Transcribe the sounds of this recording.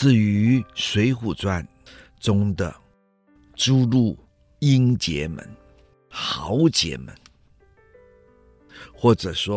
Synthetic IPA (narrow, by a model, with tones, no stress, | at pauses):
t͡sɹ̩˥˩y˧˥swe˧˥ɪxu˨˩t͡swa˥˩n | ʈ͡ʂʊ˥ŋd̪ə̰˨ | ʈ͡ʂu˥lu˥˩ | i˥nt͡ɕjɛ̰˧˥˦mə̰˧˦n | xɑ˧˥ʊt͡ɕjɛ̰˧˥mə̰˧˦n | xwɔ˥˩ʈ͡ʂɤ˨˩ʂwɔ˦˥